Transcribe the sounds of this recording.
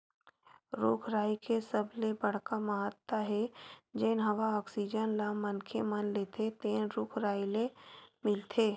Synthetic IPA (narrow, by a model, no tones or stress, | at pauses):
ɾuːkʰɾaːikesəblebəɽ̤kaməɦət̪ːaɦɛd͡ʒeːnɦɐʋaɔːksid͡ʒənlamənkʰemənleːt̪ʰet̪eːnɾuːkʰɾaːilemɪlt̪ʰeː